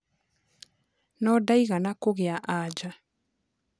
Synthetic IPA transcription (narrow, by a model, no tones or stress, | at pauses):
nɔdaiɣanakoɣeaʔad͡ʒa